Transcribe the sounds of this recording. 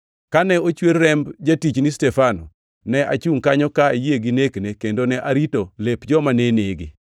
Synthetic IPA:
kanɛot͡ʃweɾːɛmbd͡ʒatit͡ʃnistɛfanɔ̰ | nɛʔa̰t͡ʃuŋkaɲɔkaejeɡineknekendonɛʔaɾitolepd͡ʒɔmaneneɡi

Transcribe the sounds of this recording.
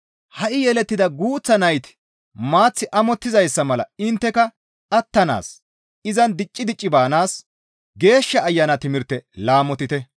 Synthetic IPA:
hɐʔɪjɛlɛt̪ːɪd̪ɐɡuːt͡sːɐnɐjt̪ɪ̥ | maːt͡sːɪʔɐmɔt̪ːɪzɐjsːɐmɐlɐ̰ɪnt̪ːɛkɐ | ɐt̪ːɐna̰ːs | ɪzɐnd̪ɪt͡ʃʼːɪd̪ɪt͡ʃʼːɪbaːnaːs | ɡe̞ːʃːɐːjːɐnɐt̪ɪmɪɾt̪ɛlaːmɔt̪ɪt̪ɛ

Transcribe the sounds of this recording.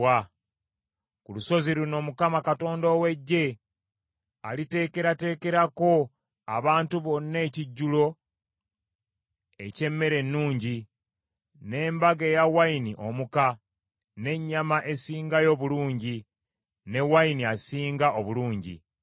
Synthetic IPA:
a | kuluso̞ziɾuno̞ːmukamakato̞ːndoːwe̞ɟːe̞ | a̰lite̞ːke̞ɾate̞ːke̞ɾako̞ | a̰βaːntuβo̞nːe̞ːciɟːulo̞ | e̞̰ce̞mːe̞ɾe̞nːuːɲɟi | ne̞ːmbaɡejawainiʔomuka | ne̞ɲːamaʔe̞siːŋɡajo̞βuluːɲɟi | ne̞wainiasiːŋɡaʔoβuluːɲɟḭ

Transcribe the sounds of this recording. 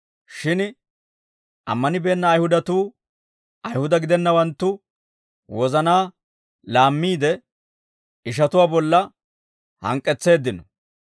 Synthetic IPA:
ʃɪn | ʔɐ̰mːɐnɪbe̞ːnːɐːjhʊd̪ɐt̪uː | ɐjhʊd̪ɐɡɪd̪ɛnːɐwɐnt̪ːʊ | wɔzɐnaː | laːmːiːd̪ɛ | ɪʃ̬ɐt̪ʊwaːbɔlːɐ | hɐ̰ŋkʼːɛt͡sːe̞ːd̪ːɪnɔ

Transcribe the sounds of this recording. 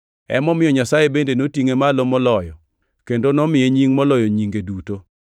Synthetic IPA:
ɛ̰mɔmɪjɔɲasajebendenotiŋemalomɔlɔjɔ | kendonɔmɪeɲiŋmɔlɔjɔɲiŋɡeduto

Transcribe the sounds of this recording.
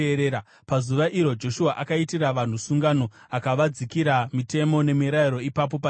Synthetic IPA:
ɾeːɾa | pazuʋaʔiɾo̞d͡ʒo̞ʃuaʔakaitiraʋan̤usuŋɡano̞ | akaʋad͡zikiɾamite̞mo̞ne̞miɾaiɾo̞ipap̬o̞pa

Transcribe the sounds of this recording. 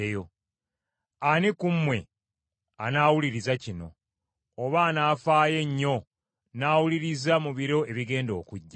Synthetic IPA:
ejo̞ | anikumːwe̞ | a̰naːwuliɾizacino̞̰ː | βaːnaːfaːje̞ɲːo̞ | naːwuliɾizamuβiɾo̞e̞βiɡe̞ːndo̞ːkuɟːa

